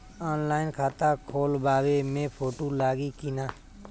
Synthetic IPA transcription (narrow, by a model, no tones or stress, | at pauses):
ɔːnlaːɪnkʰaːt̪akʰoːlbaːwemẽpʰoːʈolaːɡikinaː